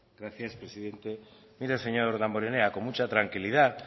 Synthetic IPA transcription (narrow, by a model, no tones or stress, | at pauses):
ɡ̥ɾaθjaspɾe̞siðe̞nt̪e̞ | miɾase̞ɲo̞ɾðamboɾe̞ne̞ako̞nmut͡ʃat̪ɾaŋkiliða